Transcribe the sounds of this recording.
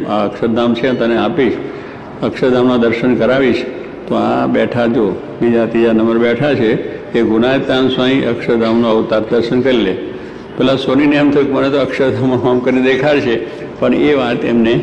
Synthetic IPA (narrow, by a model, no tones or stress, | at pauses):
a̰əkʃəɾd̪ʱamt͡ʃʰeãt̪əneapiʃ | əkʃəɾd̪ʱamnad̪əɾʃənkəɾaʋiʃ | t̪oa̰bɛʈʰad͡ʒo | bid͡ʒat̪id͡ʒanəməɾbɛʈʰat͡ʃʰekeɡunaet̪ːansaĩʔəkʃəɾd̪ʱamnoəut̪aɾd̪əɾʃənkəɾile | pɛlasoninijəmt̪ʰəkmənet̪oəkʃəɾd̪ʱamːãkamkəɾined̪ekʰaɾt͡ʃʰe | pəɳeʋat̪emne